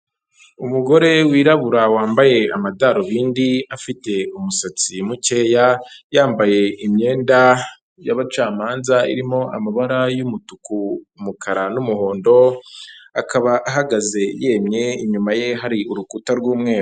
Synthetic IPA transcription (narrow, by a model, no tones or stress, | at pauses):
umuɡo̞ɾe̞wiːɾaβuɾawaːmbaje̞amadaɾoβiːndiafite̞umusat͡simuce̞ːjajaːmbaje̞ʔimɲe̞ːnda | jaβat͡ʃaːmaːnzaḭɾimo̞ʔa̰maβaɾajumutuku | mukʰaɾanumuho̞ːndo̞ | akaβaʔaɦaɡaze̞je̞ːmɲe̞iɲumaje̞ɦaɾiuɾukutaɾɡwuːmŋe̞ːɾo